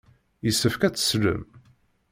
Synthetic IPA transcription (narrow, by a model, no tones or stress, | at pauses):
jəsːəfkæt͡sːə̥slə̰m